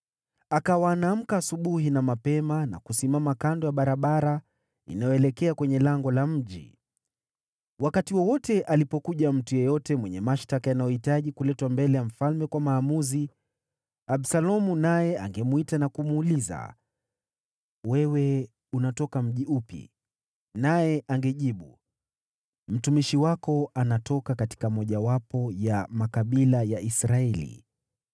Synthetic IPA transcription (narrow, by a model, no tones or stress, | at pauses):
akawaːnam̩kaːsuɓuɦinamapɛmana̰kusimamakandɔjaɓaɾaɓaɾa | ḭnajɔɛlɛkɛakwɛɲɛlaŋɡɔlam̩ʄḭ | wakatiwɔwɔtɛʔalipɔkuʄam̩tujɛjɔtɛmwɛɲɛmaʃtakajanajɔhitaʄikulɛtwambɛlɛjam̩falmɛkwamaːmuzi | aɓsalɔmunajɛa̰ŋɡɛmuitanakumuːliza̰ | wɛwɛ | unatɔkam̩ʄiupḭ | najɛʔaŋɡɛʄiɓu | m̩tumiʃiwakɔanatɔkakati̥kamɔʄawapɔjamakaɓilajaisɾaɛlḭ